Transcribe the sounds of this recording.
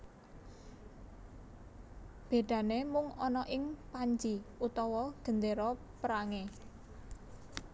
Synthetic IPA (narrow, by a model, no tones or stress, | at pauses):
b̥e̤d̪̥ä̤nemʊŋɔnɔʔɪŋpaɲd͡ʒiut̪ɔwɔɡ̥ə̤nd̪eɾɔ | pəɾaŋe